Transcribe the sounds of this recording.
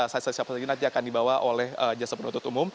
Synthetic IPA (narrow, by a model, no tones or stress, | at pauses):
sasasapasad͡ʒinat̪̚d͡ʒaːkandibawaʔolɛhəd͡ʒasapənunt̪ʊt̪umʊm